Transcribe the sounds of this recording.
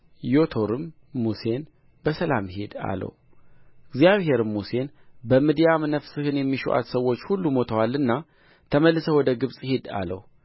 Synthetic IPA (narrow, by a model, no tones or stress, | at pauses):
jo̞t̪ʰo̞ɾɨmː | use̞n | bəsəlamhed̪a̰lə̰w | ɨɡzjaβɦe̞ɾɨmːuse̞n | bəmid̪ijamɨnəfsɨhɨnjɛmːiʃṵʔa̰t̪səwːot͡ʃːhulːumo̞t̪ʰəwalːɨnːa | t̪ʰəməlːɨsəwɔd̪əɡɨβsʼhe̞d̪a̰lə̰w